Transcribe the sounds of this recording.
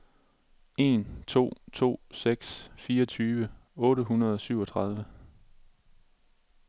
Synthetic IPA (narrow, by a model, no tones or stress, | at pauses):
e̝nt͡sʰo̝̰ːt͡sʰo̝̰ːseɡ̥sfiːɒt͡sʰyːʋə | ɔ̽ːɾəɦunɐð̞ˠɒ̽syʊ̰ɒ̽t͡sʰʁɑ̈ð̞ˠʋə